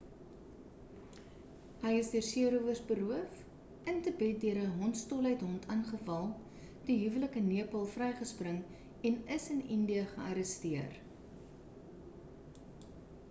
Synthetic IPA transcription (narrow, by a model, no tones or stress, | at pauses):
ɦəjəsdiərsiəɾuvərsbəɾuəf | əntəbɛt̚dyəɾəɦɔntstoləjtɦɔntʰɐnχəfɐlˠ | d̥iɦyvələkəniəpəlˠfrɛjχəsprəŋ | ɛnəsənindiəχəʔɐɾəstiər